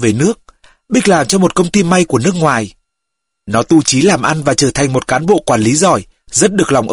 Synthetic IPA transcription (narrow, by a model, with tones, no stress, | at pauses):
ve˨˩nɨ˦˥ək̚ | ɓi˦˥k̟̚laː˨˩mt͡ɕɔ˧mo˨˩t̚kə˧wŋ͡mt̪i˧ma˧jku˧˩ənɨ˦˥ək̚ŋwaː˨˩j | nɔ˨˦t̪u˧t͡ɕi˨˦laː˨˩mʔa˧nvaː˨˩t͡ɕəː˧˩t̪ʰa˨˩jŋ̟mo˨˩t̚kaː˨˦nɓo̰˧˨kwaː˧˩nli˨˦zɔ˧˩j | zə˦˥t̚ɗɨ˨˩ək̚la˨˩wŋ͡mʔə˧